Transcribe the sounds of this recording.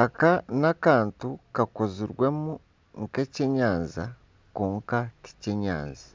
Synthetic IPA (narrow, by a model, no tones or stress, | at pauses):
akanakaːntukakoziɾwe̞mu | ŋkeceɲaːnza̰ | koːŋkati̥ceɲa̰ːnzḁ